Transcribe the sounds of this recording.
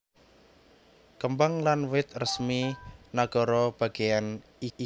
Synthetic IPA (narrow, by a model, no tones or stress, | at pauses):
kəmbaŋlanwɪt̪̚rəsminaɡ̥ɔ̤ɾɔb̥a̤ɡ̥ejani